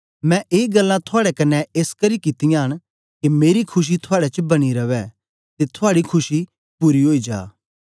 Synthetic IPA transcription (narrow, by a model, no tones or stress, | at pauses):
mɛ̃ʔeːɡɐlːãt̪ʰʊaːɽɛkɐnːɛeːskɐɾikɪt̪ɪjãɦɐɽ̃ | kimeːɾikʰʊʃ̬it̪ʰʊaːɽɛt͡ʃəbɐɽ̃iɾɐʋɛ | t̪et̪ʰʊaːɽikʰʊʃi | puːɾiɦoːid͡ʒa̰ː